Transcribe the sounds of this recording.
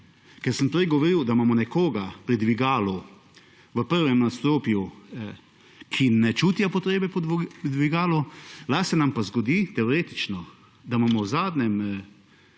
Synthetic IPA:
kɛɾsəmpɾɛjɡɔʋɔɾiwd̪amamɔnɛkoːɡapɾid̪ʋiɡaːlu | ʋəpəɾʋɛmnast̪oːpju | kʰinɛt͡ʃuːt̪japɔt̪ɾeːbɛppd̪ʋiɡaːlulasɛnampazɡɔd̪it̪ɛɔɾeːt̪i̥t͡ʃnɔ | d̪amamɔwzaːd̪nɛm

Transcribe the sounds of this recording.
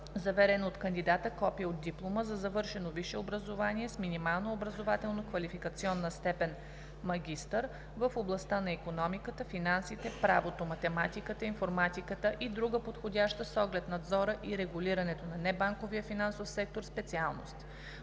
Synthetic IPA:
zɐvɛɾɛnot̪kənd̪id̪at̪əkɔpiəod̪̚ːiplˠoməzɐzɐvɤɾʃɛnoviʃɛobɾəzovaniɛsminimalˠnoːbɾəzovat̪ɛlˠnokvɐlifikət̪siɔnːəst̪ɛpɛn | mɐɡʲist̪əɾ | vəfoblˠɐst̪anɐikonɔmikət̪əfinansit̪ɛpɾavot̪omɐt̪ɛmat̪ikət̪əinfoɾmat̪ikət̪əʔid̪ɾuɡəpot̪xodʲaʃt̪əsɔɡlɛt̪nɐd̪zɔɾəʔiɾɛɡuliɾɐnɛt̪onɐnɛbaŋkoviəfinansofsɛk̚t̪oɾspɛt̪sialˠno̰st̪

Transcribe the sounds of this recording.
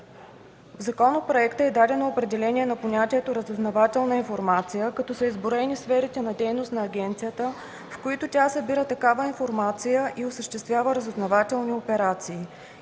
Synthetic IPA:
vzɐkɔnopɾoɛkt̪əɛd̪ad̪ɛnoopɾɛd̪ɛlɛnʲiɛnɐponʲat̪iɛt̪oɾəzɛznɐvat̪ɛlˠnəinfoɾmat̪sijəkɐt̪ɔsəizboɾɛnisfɛɾit̪ɛnɐd̪ɛjnost̪nɐːɡʲɛnt̪sijət̪ə | fkoit̪ʊt̪ʲasəbiɾət̪ɐkavəinfoɾmat̪sijəʔiosəʃt̪ɛst̪vʲjavəɾəzɛznɐvat̪ɛlˠniopɛɾat̪siː

